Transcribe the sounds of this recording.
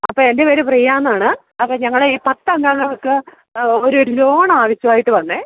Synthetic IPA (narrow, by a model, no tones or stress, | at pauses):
ɐpːoːende̞ʋeːɾeprɐjːaːnːaːɳɨ | ɐpːoːɲɐŋːɐɭeiːpɐt̪ːɐŋɡaːŋːɐmokːɨ | oɾuoɾulo̞ːɳɐaːʋiɕjɐmaːjiʈːɨʋɐnːeː